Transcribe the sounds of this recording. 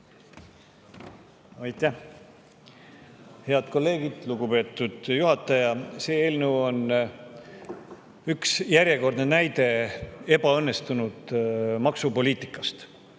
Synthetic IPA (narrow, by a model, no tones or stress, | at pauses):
ɑjt̪ːˑæh | he̞ɑd̪̥ko̞lːe̞ːɡ̥id̪̥luɡupe̞ːt̪ːˑud̪̥juɦɑt̪ːˑɑjɑse̞ːeːlnəwo̞n | yksjæɾʲje̞ko̞rd̪nenæjd̪e̞e̞bɑɤnːe̞st̪unud̪̥mɑksupo̞lʲiːt̪ˑi̥kːˑɑst̪